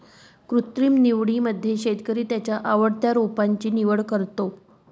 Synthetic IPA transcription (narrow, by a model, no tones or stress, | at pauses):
kɾut̪ɾiːmniʋɽiməd̪ʱːjeɕet̪kəɾiːt̪jat͡ɕjaʔaʋəɽt̪jaɾupaɲt͡ɕiːniʋəɽkəɾt̪o